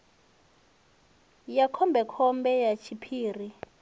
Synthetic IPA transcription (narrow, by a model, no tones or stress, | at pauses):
jakʰɔmbʱɛkʰɔmbɛjat͡ʃʰipʰiːri